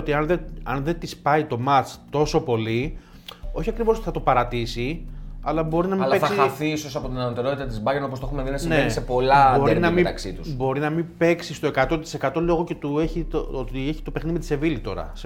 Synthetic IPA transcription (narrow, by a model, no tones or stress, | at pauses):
ot̪iɐnðeɐnðe̞t̪ispɐit̪o̞mɐt͡st̪o̞so̞po̞li | o̞çiɐkɾivoso̞t̪iθɐt̪opɐɾɐt̪isiɐlɐbo̞ɾinɐmileθkɐsiɐθiiso̞sɐpo̞t̪inɐnot̪e̞ɾot̪it̪ɐt̪izbɐʝeno̞posexumeðinɐsinesepo̞lɐbo̞ɾinɐmit̪ɐksit̪usbo̞ɾinɐmipe̞ksist̪o̞ekɐt̪o̞t̪i̥se̞kɐt̪o̞leoɣo̞cet̪ueçiot̪ieçi̥t̪o̞pe̞xnimet̪i̥se̞vilit̪o̞̰ɾɐ̰s